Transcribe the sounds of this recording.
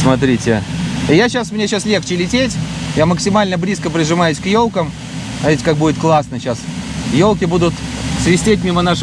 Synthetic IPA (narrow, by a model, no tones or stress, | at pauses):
smɐt̪ɾʲitʲɪjaɕasmnʲeɕaslʲext͡ɕɪlʲɪtʲetʲjaməksʲɪmalʲnəblʲiskəpɾʲɪʐɨmajʊsʲkjolˠkəm | ɐvʲitʲkak̚budɪt̪klˠasnəɕasjolˠkʲɪbud̪ʊt̪svʲɪsʲtʲetʲmʲimənaʂ